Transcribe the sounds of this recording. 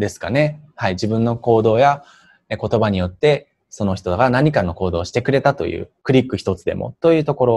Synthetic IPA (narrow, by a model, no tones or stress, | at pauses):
d̪e̞sɨ̥ka̰ne̞haid͡ʑibɯ̟̃nːo̞ko̞ːd̪o̞ːja | ko̞t̪o̞baɲ̟ijo̞t̪ːe̞ | so̞no̞çi̥t̪o̞d̪aɡanaɲ̟ikano̞ko̞ːd̪o̞ːɕi̥t̪e̞kɯ̟ɾe̞t̪at̪o̞̰jɯ̟̰ːkɯ̟ɾʲikːɯ̟çi̥t̪o̞t͡sɨd̪e̞̰mo̞̰t̪o̞jɯ̟ːt̪o̞ko̞ɾo̞